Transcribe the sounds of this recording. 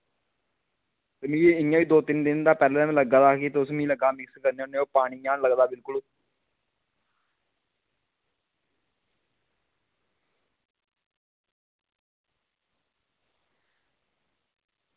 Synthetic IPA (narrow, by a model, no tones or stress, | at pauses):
t̪eːmĩːɪjãʋiːd̪oːt̪ɪnd̪ɪnd̪aːpɛːlɛːmɛ̃ləɡaːd̪aːket̪eːʊsmĩːləɡaːmɪkskəɾneʊnːeːoːpaːɽĩːãːnləɡd̪aːbɪlkʊl